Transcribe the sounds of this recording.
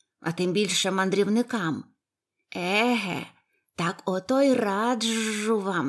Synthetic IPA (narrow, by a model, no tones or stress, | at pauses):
ɐt̪ɪmbʲilʲʃɛmɐnd̪ɾʲiwnɪkɑm | ɛɦɛ̰ | t̪ɑkɔt̪ɔjrɑd̪ʒʊʋɑm